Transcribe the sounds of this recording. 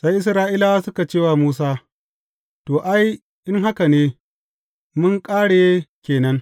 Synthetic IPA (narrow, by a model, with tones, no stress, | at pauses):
sa˦jʔɪ˦sɾaː˦ʔiː˦la˨a˦sʊ˦ka˨t͡ʃeː˦waː˦muː˦s̬aː˦ | toː˨ʔa˦j | ʔɪ˦ŋɦa˦ka˨neː˦ | mʊ˦ŋkʼaː˦ɽeː˨˦kʲeː˨nɐ˦ŋ